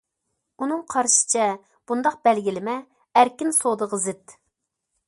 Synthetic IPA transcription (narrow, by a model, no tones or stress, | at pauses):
unɨŋqʰɑɾʃi̥t͡ʃʰɛ | b̥und̪ɑq̚b̥ælɡʲilɪmɛ | æɾkʲinsod̪əʁəzɪt̪